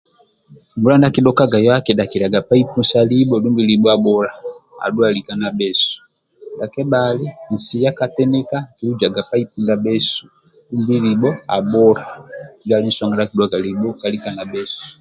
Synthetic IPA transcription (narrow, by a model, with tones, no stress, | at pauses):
mbu˦la˦nda˦ki˦ɗɔka˦ɡa˨jɔa˦kɛ˨da˨ki˨ɾa˨ɡa˨pa˦i˦pu˦nsa˦li˦bɔdu˦mbi˨li˨bɔ˦a˦bɔ˦la˨a̰˨du˦a˨li˨ka˨na˨bɛsu̥˨ | da˨kɛ˦bali˦n̩˨si˨ja˦katɛ˦nɛ˦ka˦ki˨lu˦d͡ʒa˨ɡa˨pa˦ipu˦nda˨bɛ˦su̥˨ | ɗu˦mbi˦li˨bɔ˦a̰˨bɔ˦ɾa˨d͡ʒali˦n̩˦swa˦ŋɡa˦na˦ki˦dwaɡa˨li˨bɔ˦ka˨lika˨na˨bɛ˦su̥